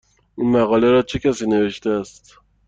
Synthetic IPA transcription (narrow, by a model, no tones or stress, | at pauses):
ʔiːnmæɣɒːleɾɒːt͡ʃʰe̞cʲʰæsiːne̞ve̞ʃt̪eæst̪